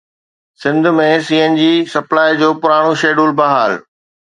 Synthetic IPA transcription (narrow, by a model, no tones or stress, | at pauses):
sɪ̃nd̪ʱʊmẽsiːend͡ʑiːsɐplaːid͡ʑoːpʊɾaːɽ̃oʃeːɖuːlbaɦaːl